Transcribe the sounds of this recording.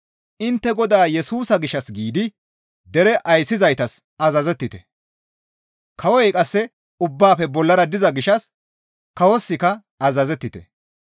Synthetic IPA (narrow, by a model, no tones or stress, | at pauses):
ʔɪnt̪ːɛɡɔd̪aːjɛsuːsɐɡɪʃɐsɡiːd̪ɪ | d̪ɛɾɛʔɐjsːɪzɐjt̪ɐsɐzɐzɛt̪ːɪt̪ɛ̥ | kʰɐwɔjkʼɐsːɛ | ʊbːaːfɛbɔlːɐɾɐd̪ɪzɐɡɪʃɐs | kɐwɔsːɪkɐ | ɐzɐzɛt̪ːɪt̪ɛ̰